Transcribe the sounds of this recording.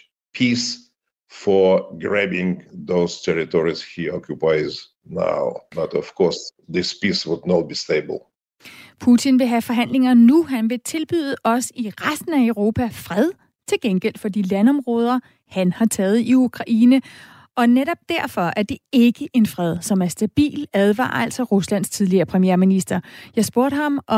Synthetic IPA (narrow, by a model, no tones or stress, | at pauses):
pʰis | fɔ˞ɡɹɛbɪ̃ŋðoʊz̥tʰɛɹitʰɔɹiz̥hiɔkʰjupaɪz | na̰ʊbʌtɔv̥kʰɔɹsðɪspiswʊdnɔt̚b̥isteɪbə̰l̩ˠ | pʰut͡sʰinʋe̝ɦæfɒ̽ɦæn̰le̝ŋɐnuɦænʋe̝t͡sʰe̝lb̥y̰ð̞ˠəʔɒ̽siʁasd̥n̩æəʊʁo̝ːpʰæfʁɛð̞ˠ | t͡sʰe̝lɡ̥enɡ̥el̰d̥fɒ̽d̥ilænɒ̽mʁɔ̽ːð̞ˠɐ | hænhɑ̈t͡sʰɛːð̩ˠiukʰʁɑ̈ʔiːnə | ʔɒ̽neɾɒ̽b̥̚d̥æɐ̰fɒ̽ʔæɐd̥e̝e̝ɡ̥əʔe̝nfʁɛð̞ˠsɒ̽mæɐsd̥æb̥ḭːlæð̞ˠʋɑ̰̈ːæl̰sɒʁuslæn̰̥st͡sʰið̞ˠliɐːpʰʁɛmijeɐminisd̥ɐjɑ̈ɪsb̥o̝ɐ̰ɾ̥ɦɑ̈mʔɒ̽